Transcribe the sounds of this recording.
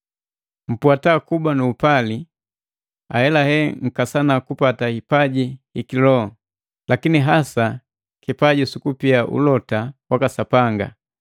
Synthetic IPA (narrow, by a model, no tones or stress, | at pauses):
m̩pwatakubwanuːpali | a̰hɛlahɛŋ̩kasanakupatahipaɟiikilɔ | lakiniɦasa | kipaɟisukupiaʔṵlɔtawakasapaŋɡa̰